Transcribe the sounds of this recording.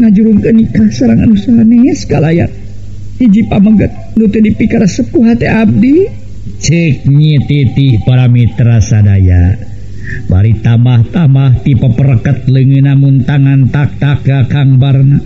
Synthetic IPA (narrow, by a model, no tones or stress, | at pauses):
ŋad͡ʒuɾuŋkənikahsaɾaŋa̰nusaaneskalaja̰ | hid͡ʒipaməɡət̪̚dut̪ədipikaɾəsəp̚kuɦat̪ɛʔab̚di | t͡ʃɨk̚ɲit̪it̪ipaɾamit̪ɾasadaja̰ | ba̰ɾit̪ambaht̪ambaht̪ipəpəɾəkət̪̚ləŋɨnamunt̪aŋant̪ak̚t̪akakaŋbarna